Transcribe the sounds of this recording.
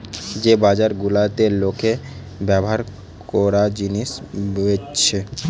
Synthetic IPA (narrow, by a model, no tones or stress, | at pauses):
d͡ʑebad͡ʑaɾɡulat̪elokʰe | bɛboɦaɾ | kɔɾad͡ʑiniʃboet͡ɕʰe